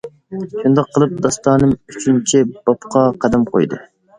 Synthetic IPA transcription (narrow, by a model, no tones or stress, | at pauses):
ʃund̪ɑqʰːəlˠɨp̚d̪ɑst̪ɑnɨmyt͡ʃʰynt͡ʃʰib̥ɑpqʰɑqʰɑd̪ɑmqʰo̰jd̪ɨ